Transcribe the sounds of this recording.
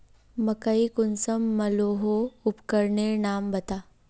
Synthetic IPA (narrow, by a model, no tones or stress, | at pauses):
mɐkəikʊnsəmːɐloːɦoʊpkəɾnenaːmbɐt̪aː